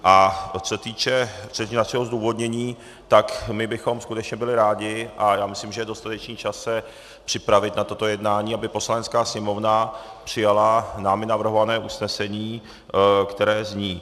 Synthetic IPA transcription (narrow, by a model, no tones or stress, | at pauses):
ʔat͡sot̪iːt͡ʃɛt͡sot̪it͡ʃɛnaʃɛɦozduːvo̞d̪ɲɛɲiː | t̪akmɪbɪxo̞mskut̪ɛt͡ʃɲɛbɪlɪɾaːɟɪʔajaːmɪslimʒɛjɛdo̞st̪at̪ɛt͡ʃniːt͡ʃasɛ | pr̥ɪpɾavɪt̪nat̪o̞t̪o̞jɛdnaːɲiːabɪpo̞slaɲɛt͡sskaːsɲɛmo̞vnapr̥ɪjalanaːmɪnavr̩ɦovanɛːʔusnɛsɛɲiː | kt̪ɛɾɛːzɲiː